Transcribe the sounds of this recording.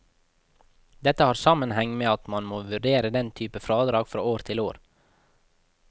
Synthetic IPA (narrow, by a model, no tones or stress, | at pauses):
d̪ɛt̪əhɑːɾsɑmənhɛŋmeːɑt̪mɑnmoːʋʉɖeːɾəd̪ɛnt̪ʰyːpəfɾɑːd̪ɾɑːɡfɾo̰ːoːɾt̪ʰɪloːɾ